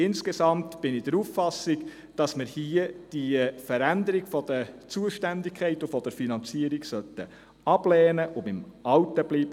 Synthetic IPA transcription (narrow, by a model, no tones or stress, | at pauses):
ɪnskesɑmtb̥ɪnɪd̥əɾufːɑsːiɡ | d̥ɑsməɾhiəd̥ifəɾænd̪əɾiɡfɔd̥̪ət͡suəʃtændɪkʰχɛɪtufɔd̥əɾfinɑnt͡siəɾiɡsœtːə | ɑb̥lɛːnəʔʊbɪmɑwtəbliːb̥ə